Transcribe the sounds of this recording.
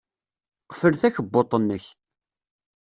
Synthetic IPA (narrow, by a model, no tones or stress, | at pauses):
qəfəlθæçəbːot̪ˤːənːəç